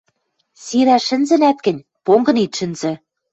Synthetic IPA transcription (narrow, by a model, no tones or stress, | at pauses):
siɾæʃɘ̆nzɘ̆næt̪̚kɘ̆nʲ | poŋɡɤ̆nit̪ʃɘ̆nzɘ̆